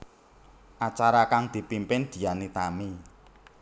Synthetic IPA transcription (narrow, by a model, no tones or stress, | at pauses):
ʔat͡ʃaɾakaŋd̪̥i̤pimpɪnd̪̥i̤anit̪ami